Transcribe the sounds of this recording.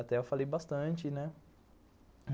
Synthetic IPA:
at̪ɛɔfalibast̪ãnt̪inɛ

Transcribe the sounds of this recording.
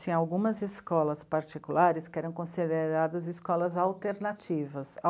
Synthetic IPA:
ĩawɡũmɐziskɔlɐspaɾt͡ʃikulaɾɪskɪɛɾɐ̃w̃kõsid̪eɾad̪ɐziskɔlɐzawt̪eɾnat͡ʃivɐsa

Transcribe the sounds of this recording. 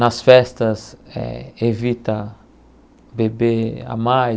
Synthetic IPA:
nɐsfɛst̪ɐsɛ̰evit̪ɐ | bebea̰maj

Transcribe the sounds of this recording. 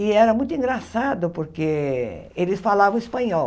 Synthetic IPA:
ɪɛɾɐmũj̃t̪ʊĩŋɡɾasad̪ʊpoɾkeelɪsfalavɐ̃w̃ispɐ̃ɲɔ

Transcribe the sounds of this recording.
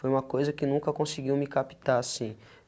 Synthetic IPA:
fojũmɐkojzɐkɪnũkɐkõsɪɡiwmɪkapi̥t̪aasĩ

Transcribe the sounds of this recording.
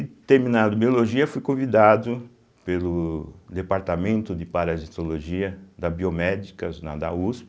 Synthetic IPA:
ɪt̪eɾminad̪ʊbioloʒiɐfujkõvid̪ad̪ʊ | pelʊd̪epaɾt̪amẽnt̪ʊd̪ɪpaɾɐzit̪oloʒiɐd̪ɐbiomɛd͡ʒikɐna̰d̪a̰uspɪ

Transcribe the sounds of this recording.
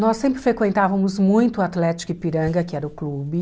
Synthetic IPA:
nɔsːẽmpɾɪfɾekwẽnt̪avɐmʊzmũj̃t̪ʊat̪lɛt͡ʃi̥kʊɪpiɾɐ̃ŋɡɐkɪɛɾɐʊklubɪ

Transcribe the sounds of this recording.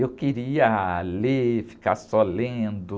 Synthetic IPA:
ewkeɾiɐlefi̥ka̰ɾsɔlẽnd̪ʊ

